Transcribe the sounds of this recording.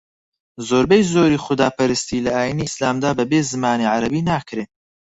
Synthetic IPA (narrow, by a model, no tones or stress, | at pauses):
zoːɾbɛjzoːɾiːχʊd̪aːpɐɾɨst̪iːlɐaːjiniːɨslaːmd̪aːbɐbeːzɨmaːniʕaɾɐbiːnaːkʰɾeː